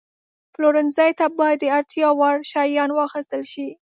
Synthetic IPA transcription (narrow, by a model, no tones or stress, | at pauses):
ploɾɪnzajt̪abɑjad̪ːəaɾt̪jɑwɑɽʃɑjɑnwɑxəst̪əlʃi